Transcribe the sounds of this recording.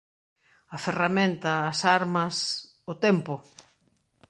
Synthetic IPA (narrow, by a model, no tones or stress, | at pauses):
ɐferamẽnt̪ɐːsaɾmɐs | ʊt̪ɛmpʊ